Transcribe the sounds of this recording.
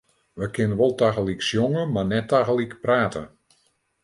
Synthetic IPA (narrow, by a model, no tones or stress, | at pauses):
ʋəkʰɪnəʋɔlˠtaɣəliksjɔŋəmanɛtaɣəlikpraːtə̰